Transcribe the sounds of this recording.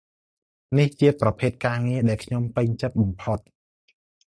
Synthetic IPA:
niht͡ɕiəprɑpʰeːt̪̚kaːŋiəɗaɛlkʰɲompɨɲt͡ɕɨt̪̚ɓɑmpʰot̪̚

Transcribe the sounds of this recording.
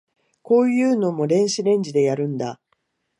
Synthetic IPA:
ko̞ːjɯ̟ːno̞mo̞ɾẽ̞ɰ̃ɕiɾẽ̞ɲ̟d͡ʑid̪e̞jaɾɯ̟̃nd̪a

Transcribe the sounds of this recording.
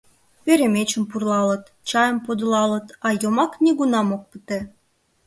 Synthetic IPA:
peɾemʲet͡ɕə̆mpurlɑlə̆t̪ | t͡ɕɑjə̆mpod̪lɑlə̆t̪ɑjomɑknʲeɣunɑmok̚pɨt̪e

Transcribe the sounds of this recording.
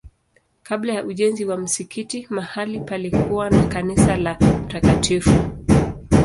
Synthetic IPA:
kaɓlajaʔuʄɛnziwam̩sikʰitimahalipalikʰuwanakanisalam̩takatʰifu

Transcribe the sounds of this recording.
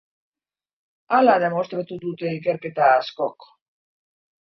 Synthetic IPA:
alaðe̞mo̞st̪ɾat̪ud̪ut̪e̞ike̞ɾke̞t̪aːsko̞k

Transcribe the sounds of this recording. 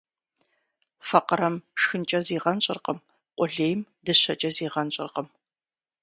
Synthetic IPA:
fɐqəɾɐmʂxɨnt͡ʃʼɐziːʁɐnɕʼɪ̰rqəm | qʷʼʊɮeːjmdɨɕɐt͡ʃʼɐziːʁɐnɕʼɪ̰rqəm

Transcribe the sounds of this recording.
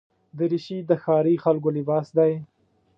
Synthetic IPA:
d̪əɾɪʃid̪əxɑːɾixalɡ̬olɪbɑːsd̪aj

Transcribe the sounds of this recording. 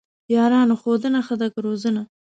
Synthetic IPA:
jɑɾɑːnoxod̪ənaxəd̪akɾozəna

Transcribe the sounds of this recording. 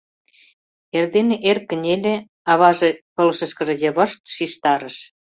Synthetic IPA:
erd̪eneʔerkːə̆nʲelʲe | ɑβɑʒĕpɤ̆lɤʃə̆ʃkə̆ʒĕɤ̆jĕβɤʃt̪ʃiʃt̪ɑɾə̆ʃ

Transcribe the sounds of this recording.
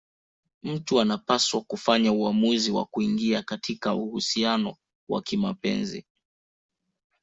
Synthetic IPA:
m̩tuanapaswakufaɲauamuziwa̰kuiŋɡiakatʰikauhusianɔ | wa̰kimapɛ̰nzḭ

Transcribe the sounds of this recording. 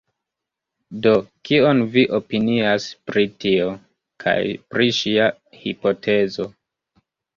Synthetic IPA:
do̞kionviʔopiniaspɾitio | kʰa̰jpɾiʃia | hipo̞tʰe̞zo̞

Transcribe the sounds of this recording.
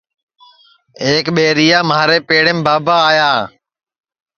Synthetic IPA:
eːkɓeːɾijaːmaːɾeːpeːɽẽːmbaːbaːjaː

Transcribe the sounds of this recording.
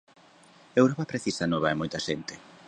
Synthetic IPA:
ewɾopɐpɾeθisanoβaemojt̪ɐʃent̪e̥

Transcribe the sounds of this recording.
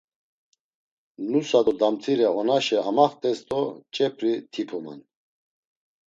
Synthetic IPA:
nusad̪ɔd̪amt̪ʰiɾɛɔnaʃɛʔamaχt̪ʼɛst̪ɔt͡ʃʼɛpʰɾit̪ʰipʰuma̰n

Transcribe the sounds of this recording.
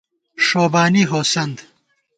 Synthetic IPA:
ʂoːbaːniɦoːsɐnd̪

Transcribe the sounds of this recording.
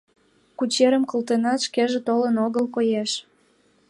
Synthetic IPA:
kut͡ɕeɾəmkolt̪enɑt̪ʃkeʒĕt̪olənoɣəlkojeʃ

